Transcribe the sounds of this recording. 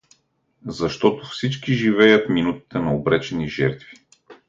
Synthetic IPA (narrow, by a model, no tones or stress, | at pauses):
zɐʃt̪ɔt̪ʊfsit͡ʃkiʒivɛjət̪minut̪i̥t̪ɛnɐobɾɛt͡ʃɛniʒɛ̰ɾt̪vi̥